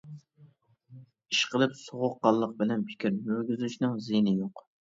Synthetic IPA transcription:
iʃqʰəlˠɨpsoʁʊqːɑlˠːəq̚bɪlɛnpʰɪ̥kʲʰiɾmøɾɡʲyzyʃnɨŋzijnɪjoq

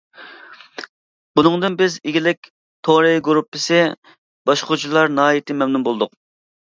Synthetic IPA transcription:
bunɨŋd̪ɨnbɪzɪɡʲilɪkʲ | t̪ʰoɾɨjɡuɾupʰːɪsɪ | b̥ɑʃqʰʊd͡ʒilˠɑɾnɑɦɑjit̪ʰɪmɛmnumbolˠd̪ʊq

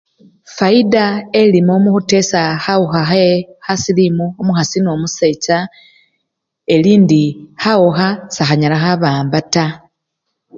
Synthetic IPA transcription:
faidaelimoːmuxute̞saxauxaxexasilimuomuxasino̞muse̞t͡ʃa | e̞liːndixaoxasaxaɲalaxaβaːmbata

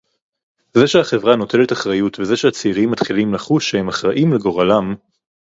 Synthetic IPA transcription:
zeʃeaχe̞vʁano̞tʰe̞le̞taχʁajutveze̞ʃehat͡seiʁimːatχilimlaχuʃːehe̞maχʁaʔimleɡo̞ʁalam

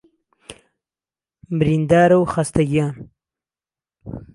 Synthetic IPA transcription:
mɾind̪ɑːɾawxast̪aɡjɑːn

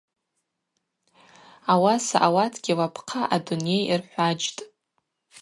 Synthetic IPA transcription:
awasaʔawatʰɡʲilapʰqʰaʔadune̞jirħʷad͡ʒtʼ

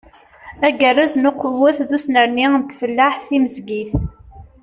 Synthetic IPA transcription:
æɡərːæznʊqəwːæθðusnəɾniənt̪fəlːaħθiməzɡiθ

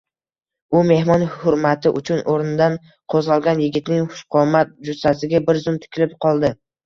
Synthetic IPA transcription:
ʊme̞hmɒnhʊɾmat̪ʰɪʔʊt͡ʃʰʊnʔoɾnɪd̪an | qʰozʁɑlˠɡʲanjɪɡʲɪt̪nɪŋχʊ̥ʃqʰɒmat̪̚d͡ʒʊsasɪɡʲabɪɾzʊmt̪ʰɪ̥kʲɪlɪp̚qʰɒlˠd̪ɪ

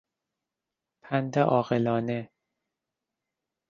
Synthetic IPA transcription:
pʰænd̪eʔɒːɣelɒːne

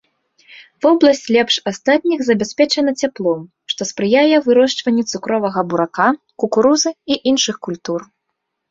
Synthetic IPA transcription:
vɔblˠɐsʲt͡sʲlʲɛpʂast̪at̪̚ʲnʲiɣzɐbʲasʲpʲɛt͡ʂɐnɐt͡sʲaplˠɔm | ʂt̪ɔspɾɨjajɛvɨɾɔʂt͡ʂvɐnʲːɛt̪sukɾɔvɐɣɐbuɾaka | kukuɾuzɨiʔinʂɨxkulʲt̪ur

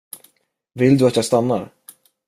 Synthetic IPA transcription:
vɪld̪ɵat̪jɑːɡst̪anːa̰ɾ

